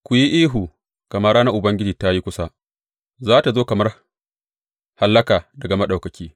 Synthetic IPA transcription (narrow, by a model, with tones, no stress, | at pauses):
kʷʊ˨ji˦ʔiː˦ɦu˨ | kɐ˨mɐ˦ɽaː˦na˦ʔʊ˨bɐ˦ŋɡʲɪ˦d͡ʒiː˨ta˦ji˦kʷʊ˦sa˦ | zaː˦ta˨zoː˦kɐ˨mɐ˦r | ha˨lːɐ˦kaː˨dɐ˨ɡa˨ma˦ɗa˨kɐ˨kʲiː˦